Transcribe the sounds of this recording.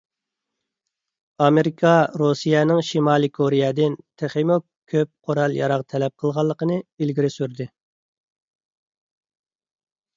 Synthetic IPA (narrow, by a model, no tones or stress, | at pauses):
ɑmeɾikʰɑɾusijɛnɪŋʃimɑːlˠɨkʰoɾijɛd̪ɪnt̪ʰeχimukkʲʰøp̚qʰoɾɑlˠjɑ̰ɾɑʁt̪ʰɛlɛp̚qʰəlˠʁɑlˠːəqənɨilɡʲiɾɪsyɾd̪ɪ